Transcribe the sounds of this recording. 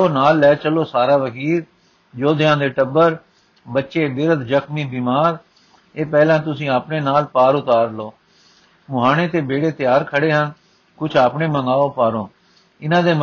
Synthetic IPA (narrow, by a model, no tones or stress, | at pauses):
oːnaːlːɛːt͡ʃəloːsaːɾaːʋəkiːɾ | d͡ʒoːd̪ɪjãːd̪eːʈəbːəɾ | bətːʃeːbɪɾət̪d͡ʒəkmĩːbiːmaːɾ | eːpɛːlãːt̪ʊsĩːaːpɳeːnaːlpaːɾʊt̪aːɾloː | mʊɦaːñeːt̪eːbeːɽeːt̪ɪjaːɾkʰəɽeːɦən | kʊt͡ʃʰaːpɳeːməŋɡaːoːpaːɾõː | ɪnãːd̪eːm